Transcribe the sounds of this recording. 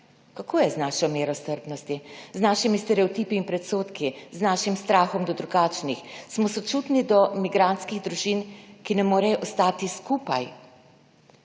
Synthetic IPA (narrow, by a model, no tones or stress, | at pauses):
kakʰoːjɛznaːʃɔmeːɾɔst̪əɾpnɔst̪iznaːʃimist̪ɛɾɛɔt̪iːpiːnmpɾɛt̪soːt̪kiznaːʃimst̪ɾaːxɔmd̪ɔd̪ɾuɡaːt͡ʃnixsmɔsɔt͡ʃuːt̪nid̪ɔmiɡɾant̪skiɣd̪ɾuʒinkinɛmoːɾɛjɔʔɔst̪aːt̪iskuːpaj